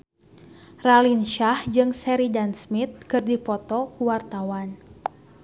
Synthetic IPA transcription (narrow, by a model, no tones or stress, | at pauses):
ralinʃahd͡ʒɨŋsɛɾidansmit̪̚kɨrdifɔt̪ɔkuwart̪awan